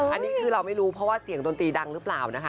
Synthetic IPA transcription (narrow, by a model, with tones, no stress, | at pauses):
ʔʔa˧nːiː˦˥kʰɯː˧ɾa˧wma˥˩jɾuː˦˥pʰɾɔ˦˥waː˥˩si˩˦ŋto˧nt̪iː˧da˧ŋɾɯː˦˥plaː˨˩wna˦˥kʰa˦˥